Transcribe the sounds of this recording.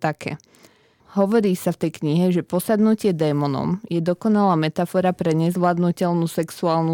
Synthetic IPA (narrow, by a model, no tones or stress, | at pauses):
t̪akʰɛ̰ː | ɦɔʋɔɾiːsaft̪ɛjkɲiɦɛʒɛpɔsad̪nucɪɛd̪ɛmɔnɔ̰mjɛd̪ɔkɔnalaːmɛt̪afɔɾapɾɛɲɛzʋlad̪nucɛlnusɛksuaːlnu